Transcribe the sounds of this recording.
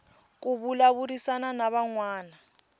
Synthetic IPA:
k̬ʼuβulaβuɾisananaβaŋwaːna

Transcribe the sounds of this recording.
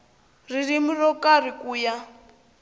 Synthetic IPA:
ririmurɔkarikuːja

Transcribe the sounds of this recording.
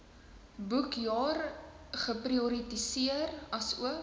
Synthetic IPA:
bukjɑːr | χəpriuɾitisiərɐsṵə

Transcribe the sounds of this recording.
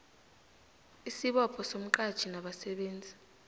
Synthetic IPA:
isiɓɔpʰɔsom̩ǃad̥t͡ʃʰinaɓasɛɓeːnd͡zʱi̥

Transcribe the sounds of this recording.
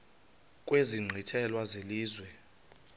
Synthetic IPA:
kʼweziŋ͡ǀʱitʰɛlwazeliːzwɛ

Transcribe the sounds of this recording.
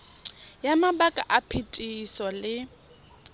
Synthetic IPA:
jamabakʼaʔapʰitʼisɔlɪ

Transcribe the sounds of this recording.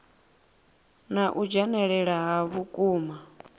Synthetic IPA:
naʔud͡ʒɛnɛɺɛɺaɦaβukʼuːma

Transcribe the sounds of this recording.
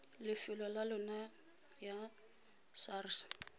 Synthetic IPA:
lɪfɪlɔlalʊna | ja | sars

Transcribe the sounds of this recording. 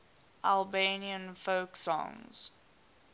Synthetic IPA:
ʔalˠbeniə̃nfoʊksɔ̰̃ŋz̥

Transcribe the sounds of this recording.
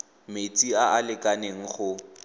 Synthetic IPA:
met͡sʼiaʔalɪkʼaneŋ̩χʊ

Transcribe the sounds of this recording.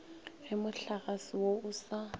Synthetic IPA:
ɣɪmʊɬaɣasɪwoʊsa

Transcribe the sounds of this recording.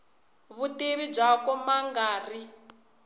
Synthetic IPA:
βuteβib͡ʐakɔmaŋɡaːri

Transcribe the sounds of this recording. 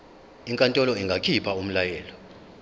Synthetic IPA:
iŋkʼantʼɔlɔiŋɡʱakʰipʰaum̩lajɛːlɔ

